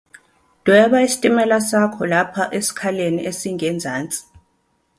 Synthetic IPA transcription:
d̥ʱwɛɓaisi̥tʼimɛlasakʰɔlapʰaʔesi̥kʰaleniʔesiŋɛnd͡zʱaːnt͡sʼi̥

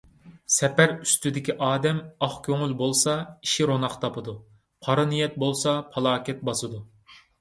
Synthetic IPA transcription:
sɛpæɾyst̪yd̪ɪkʲiʔɑːd̪ɛmɑχkʲʰøŋylbolˠsɑiʃiɾonɑqt̪ʰɑpɨd̪u | pʰɑɾɨnijɛt̪̚bolˠsɑpʰɑlˠɑːkʲɛt̪̚bɑsɨd̪u

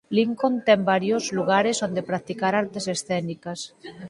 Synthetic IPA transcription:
liŋkont̪ɛmbaɾjozluɣaɾesond̪epɾak̚t̪ikaɾaɾt̪esesθɛnikas

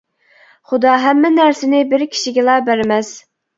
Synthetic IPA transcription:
χʊd̪ɑɦɛmːɪnæɾsɪnɪbɪɾkʲʰi̥ʃiɡʲɛlˠɑbæɾmɛs

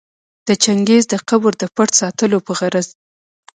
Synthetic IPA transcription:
d̪̥ət͡ʃaŋɡezd̪əqabəɾd̪əpaʈ̪sɑt̪əlopəɣaɾaz

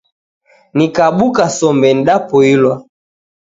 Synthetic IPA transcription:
nikaɓukasɔmbɛn̩ɗapɔilwa

